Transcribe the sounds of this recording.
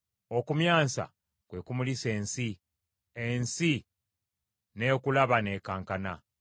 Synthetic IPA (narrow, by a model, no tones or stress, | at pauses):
o̞kumjaːsa̰ | kwe̞ːkumulise̞ːnsi | ensi | ne̞kulaβane̞ːkaːŋkana